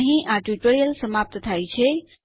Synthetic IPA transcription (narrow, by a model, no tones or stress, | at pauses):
ɦĩʔãːʈuʈoːɾijəlsɐmaːp̚t̪t̪ʰaːit͡ɕʰe